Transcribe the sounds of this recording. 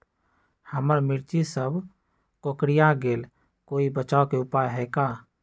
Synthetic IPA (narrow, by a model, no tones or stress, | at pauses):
həməɾmɪɾt͡ʃisəb | kokɽijãɡeːl | koːibət͡ʃaːokeʊpajɦɛkaː